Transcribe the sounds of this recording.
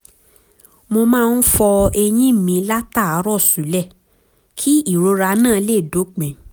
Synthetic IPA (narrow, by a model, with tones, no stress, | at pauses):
mo˧mãː˦˧n̩˦fɔ˧ɛ˧j̃ĩ˦˨mĩ˨˧˦la˦ta˦˨a˨˦ɾɔ˦˨sũ˨˦lɛ˦˨ | kʰi˦i˦˨ɾo˨˧˦ɾa˧nãː˦˨˧le˦˨do˨˦k͡pɛ̃˨